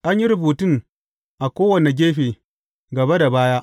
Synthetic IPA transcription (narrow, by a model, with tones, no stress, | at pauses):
ʔa˦ɲji˦ɾʊ˨buː˨tɪ˦ŋ | ʔa˨kʷoː˦wɐ˨ne˨ɡʲeː˦ɸeː˨ | ɡɐ˨be˦da˨baː˦ja˦ʔ